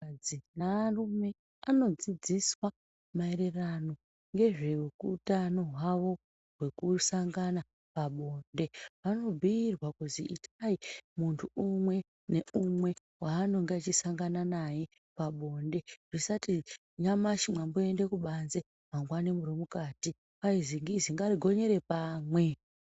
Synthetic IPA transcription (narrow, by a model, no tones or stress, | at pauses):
ainarume̞ | ano̞d͡zid͡ziswa | maeɾe̞rano̞ | ŋɡe̞ʐe̞ukutano̞ɦwaʋo̞ | rwe̞kusaŋɡana | paɓo̞nde̞ʋano̞bʱiːrwakuziitʰaimuntʰuumwe̞ | ne̞umwe̞ | waːno̞ŋɡeat͡ʃisaŋɡananaje | paɓo̞nde̞ʐ̥isati | ɲamaʃimwambue̞nde̞kuɓanze | maŋɡwanimuromukaːti | paiziŋɡiziŋɡariɡʱo̞ɲe̞ɾe̞paːmwe̞